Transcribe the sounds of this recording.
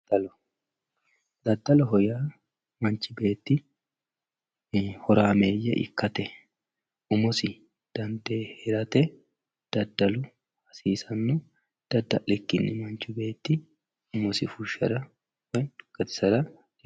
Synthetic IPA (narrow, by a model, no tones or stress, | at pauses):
ɐlɔ | d̪ɐd̪ːɐlɔɦɔjaː | mɐnt͡ʃːɪbe̞ːt̪ːɪ | hɔɾaːmeːjːɛ̰ʔɪ̰kːɐt̪ɛ | ʔʊmɔsɪ | d̪̥ɐnd̪eːhɛɾɐt̪ɛ | d̪̥ɐd̪ːɐlʊ | hɐsiːsɐnːʊ | d̪̥ɐd̪ːɐlɛkːɪnːɪmɐnt͡ʃɪbe̞ːt̪ːɪ | ʊmɔsɪfʊʃːɐ̰ɾɐ | wɔjkːɐt̪ɪ̥sɐɾɐ